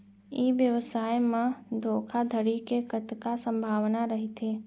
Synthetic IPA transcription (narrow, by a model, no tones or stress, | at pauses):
iːʋjəʋsaːjmẽd̪ʱoːkʰad̪ʱəɽikekət̪kasə̃mbʱaːʋnaɾəɦit̪ʰeː